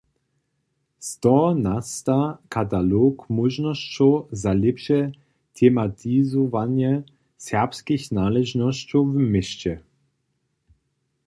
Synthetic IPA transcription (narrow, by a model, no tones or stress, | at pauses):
st̪ɔnast̪akʰat̪alokmɔʒnɔʃt͡ɕɔzalɛpʃɛ | t̪ʰɛmat̪ʰizɔvanjɛ | sɛʁpskixnalɛʒnɔɕt͡ɕɔvmɪʃt͡ɕɛ